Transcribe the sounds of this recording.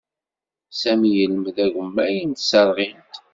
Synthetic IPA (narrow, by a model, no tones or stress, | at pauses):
sæmijələmðæʝəmːæjənt̪sæɾˤʁint̪